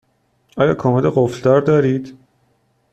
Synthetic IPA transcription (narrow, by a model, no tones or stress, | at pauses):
ʔɒːjɒ̰ːkʰɒːmeleɢofld̪ɒːɾd̪ɒːɾiːd̪̥